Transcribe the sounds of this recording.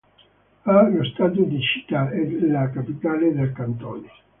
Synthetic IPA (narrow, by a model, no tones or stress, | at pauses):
alost̪aːt̪̬ud̪it͡ʃi̥t̪ːaɛlakapit̪aːled̪elkant̪ɔːne